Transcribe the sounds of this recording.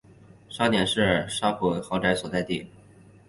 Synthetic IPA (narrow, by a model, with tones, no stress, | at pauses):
ʂɑ˥ʊnjɛ˨˩nʂɻ̩˥˩ə˨˩ʂa˥pʰu˧˥xɑ˧˥ʊʈ͡ʂa˧˥ɪswɔ˨˩t͡sa˥˧ɪt̪ḭ˥˩